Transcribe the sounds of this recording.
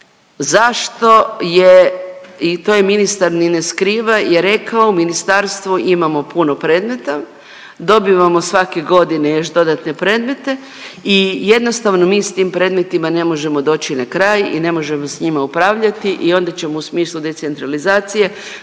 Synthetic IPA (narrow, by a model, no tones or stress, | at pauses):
zaʃt̪o̞je | it̪oje̞minist̪aɾnineskɾiːʋajeɾe̞kaouminist̪aɾst̪ʋuʔimamo̞puno̞pɾe̞ːd̪me̞t̪a | d̪o̞biʋamo̞sʋake̞ɡo̞d̪inejo̞ʃd̪o̞d̪at̪ne̞pɾe̞ːd̪me̞t̪e̞ | ije̞d̪no̞st̪aʋno̞miːst̪impɾe̞ːd̪me̞t̪imane̞mo̞ʒe̞mo̞d̪o̞ːt͡ɕinakɾaːjḭne̞mo̞ʒe̞mo̞sɲimaupɾaːʋʎat̪iʔio̞ːnd̪at͡ɕe̞mousmiːslˠud̪e̞t̪se̞nt̪ɾalizaːt̪sije̞